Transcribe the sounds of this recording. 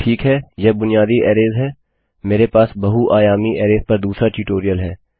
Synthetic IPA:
ʈʰiːkɦɛːjɛbʊnɪjaːd̪iʔɛːɾeːzɦɛː | meːɾepaːsbɐɦuʔaːjaːmiʔɛːɾeːzpɐɾd̪uːsɾaʈiːʈoːɾijəlɦɛː

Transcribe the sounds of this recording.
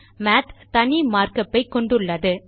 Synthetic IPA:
maːt̪t̪ɐɳimaːrkɐpːɐɪkːɔɳɖɯɭːɐðɯ

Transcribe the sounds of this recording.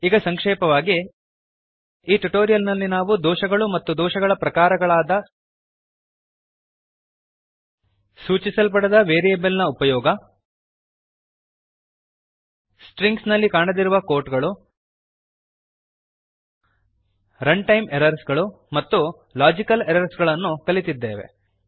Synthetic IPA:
iɡɐsɐŋkʂɛːpɐʋaːɡi | iːʈuʈoːɾijɐlnɐlːinaːʋud̪ɔːʃɐɡɐɭumɐt̪ːud̪ɔːʃɐɡɐɭɐpɾɐkaːɾɐɡɐɭaːd̪ɐ | suːt͡ʃisɐlpɐɽed̪ɐʋeːɾijebɐlnɐupɐjɔːɡɐ | sʈɾiŋɡsnɐlːikaːɳɐd̪iɾuʋɐko̞ːɾʈɡɐɭu | ɾɐɳɖʈɐjmeɾɐɾsɡɐɭu | mɐt̪ːu | laːd͡ʒikɐleɾɐɾsɡɐɭɐnːukɐlit̪id̪ːḛːʋe̞̰

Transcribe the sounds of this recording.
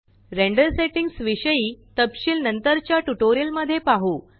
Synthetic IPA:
ɾeɳɖəɾseʈiŋɡsʋiɕəjiːt̪əpɕiːlnənt̪əɾt͡ɕjaʈuʈoɾijəlməd̪ʱːjepaɦuː

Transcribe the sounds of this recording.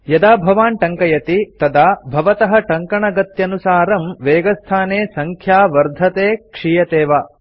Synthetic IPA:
jɐd̪aːbʱɐʋaːnʈɐŋkɐjɐt̪it̪ɐd̪aːbʱɐʋɐt̪ɐɦɐ̆ʈɐŋkɐɳɐɡɐt̪jɐnusaːɾɐmʋeːɡɐst̪ʰaːneːsɐŋkʰjaːʋɐɾd̪ʱɐt̪eːkʂiːjɐt̪eːʋaː

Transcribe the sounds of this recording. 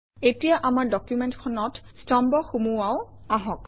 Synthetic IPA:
etijaʔamaɹdɔkjumentkʰɔnɔtstɔmbɔxumuwaʊaɦɔk

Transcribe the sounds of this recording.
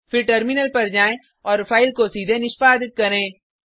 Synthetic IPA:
fʰɪɾʈəɾmɪnəlpɐɾd͡ʒaːẽ | ɔːɾfʰaːɪlkosiːd̪ʱenɪʃpaːd̪ɪt̪̚kɐɾẽː

